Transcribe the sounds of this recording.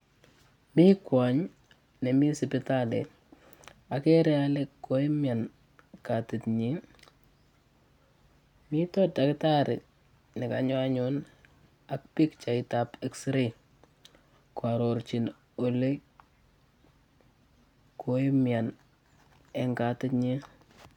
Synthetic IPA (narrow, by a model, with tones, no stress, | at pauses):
mi˦kwa˨ɲ | ne˨mi˦sɪpɪ˦talɛ̰ | a˨kɛɾɛ˦alekːo˦i˦mja˨n | katɪtɲi˦ | mi˦tɔdakɪta˦ɾɪ̰˨t | nɪ˨kaɲɔ˦a˦ɲʊn | a˦k̚pi˦kt͡ʃa˨ɪtapɛksɾi | kwaɾoɾt͡ʃi˨n | o˨le˦ | kʰo˦i˦mja˨n | ɛ˨ŋkatɪtɲi